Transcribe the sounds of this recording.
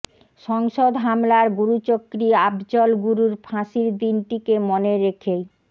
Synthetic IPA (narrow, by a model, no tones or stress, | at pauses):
ʃɔŋʃod̪ɦamlaɾɡuɾut͡ɕokːɾiabd͡ʑɔlɡuɾuɾpʰãʃiɾd̪inʈikemoneɾekʰej